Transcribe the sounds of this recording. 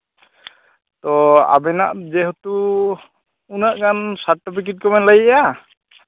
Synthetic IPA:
t̪ɔa̰bɛnaʔd͡ʒɛɦɔt̪u | unaʔɡansaɾʈɔpik̬it̚kɔmɛnlaɡiʔɛja

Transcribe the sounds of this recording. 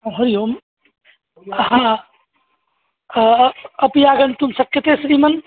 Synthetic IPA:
ɦoɾijom | ɦã | əpijaɡənt̪umsəkːət̪esɾimɐn

